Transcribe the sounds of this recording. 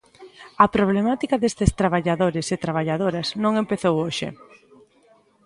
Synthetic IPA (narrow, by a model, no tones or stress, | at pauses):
ɐpɾoβ̞lemat̪ikaðest̪ɪst̪ɾaβ̞aʎaðoɾɪset̪ɾaβ̞aʎaðoɾɐznõŋempeθowoʃɪ̰